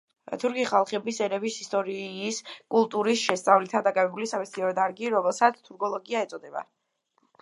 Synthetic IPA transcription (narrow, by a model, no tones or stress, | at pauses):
t̪ʰuɾkiχalˠχɛbisɛɾɛvisist̪ʼɔɾiːskʼulˠt̪ʼuɾisʃɛst̪sʼavlit̪ʰad̪akʼavɛbulisamɛst̪ʰiɔɾɔd̪aɾɡiɾɔmɛlˠsat̪sʰt̪ʰuɾɡɔlˠɔɡiaɛt̪sʼɔd̪ɛba̰